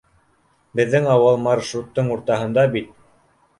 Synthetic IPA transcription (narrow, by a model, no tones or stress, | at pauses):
bɘ̆ðːɘŋɑwɤlˠmɑrʃrut̪ːɤɴuɾt̪ɑɦɤ̆nd̪ɑbit̪̚